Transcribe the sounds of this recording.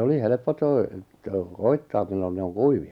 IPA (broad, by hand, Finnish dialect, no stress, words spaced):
oli helĕpːo toi toi koitːɑːm milːon ne oŋ kuiʋiɑ